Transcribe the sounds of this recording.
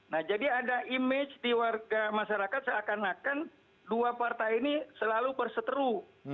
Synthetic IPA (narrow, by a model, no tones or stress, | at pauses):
nahd͡ʒadiadaʔimɪt͡ʃdiwarɡamaʃaɾakat̪̚səakanakan | duapart̪ajinisəlalupərsət̪əɾu